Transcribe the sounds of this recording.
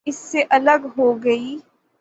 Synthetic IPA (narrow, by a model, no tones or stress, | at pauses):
ɪsːeʔɐləɡɦoːɡɐiː